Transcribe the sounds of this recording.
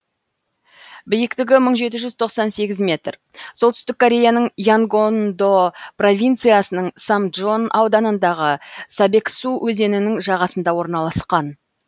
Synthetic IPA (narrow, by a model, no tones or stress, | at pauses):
bɪjɪkt̪ɪɡʲɪməɴʒe̞t̪̬ɪʒʏzt̪ʰo̞qsɑnse̞ɡʲɪzmʲe̞t̪r | solt̪ʏ̥st̪ɪkʰːo̞ɾʲe̞janəɴjaŋɡond̪o̞pro̞vʲijnt̪sɨjasənəɴsamdʒo̞nawd̪ɑnənd̪ɑʁəsɑbe̞ksuwʔɵze̞nɪnɪŋʒɑʁɑsənd̪ɑwo̞ɾnɑlˠɑsqɑn